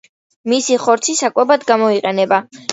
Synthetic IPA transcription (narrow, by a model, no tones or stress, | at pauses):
misiχɔɾt̪sʰisakʼwɛbad̪ɡamɔiqʼɛnɛba